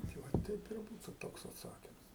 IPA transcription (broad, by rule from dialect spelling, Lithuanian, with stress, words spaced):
tɐɪ ˈʋɐ ˈtʲɛɪp ɪr ˈbuːtʊ ˈtoːks ɐtˈsɑːkʲɪms